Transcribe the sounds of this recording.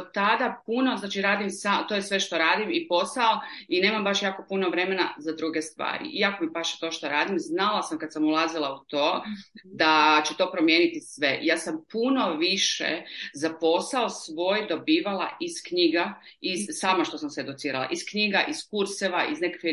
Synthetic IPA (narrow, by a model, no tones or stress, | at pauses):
t̪ad̪apuno̞znaːt͡ʃiɾaːd̪imsat̪ojesʋe̞ʃt̪o̞ɾaːd̪imipo̞saoine̞ːmambaʃjaːko̞puno̞ʋɾe̞me̞na̰zad̪ɾuɡest̪ʋa̰ːɾḭʔiako̞mibaʃt̪o̞ʃt̪o̞ɾaːd̪imznalˠasamkad̪samulˠazilˠaut̪oːd̪at͡ɕut̪o̞ːpɾomje̞ːnit̪isʋe̞jaːsampuno̞ʋiʃḛzapo̞saosʋo̞ːjd̪o̞biːʋalˠa̰ʔiskɲiɡa | izsaːmaʃt̪o̞samseed̪ut̪siːɾalˠa̰ʔiskɲiɡaʔiskuɾseʋaʔizne̞kakʋi